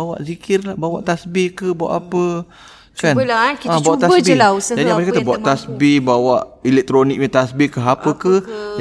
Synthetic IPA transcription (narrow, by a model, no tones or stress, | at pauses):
awa̰ʔzikɪrlahbawa̰ʔt̪asbikəbawa̰ʔapə | kanlakiãbawaʔt̪abilad͡ʒadiamasakat̪əbawaʔt̪asbibawaʔilɛk̚t̪ɾonik̚ɲət̪asbikəɦapəkə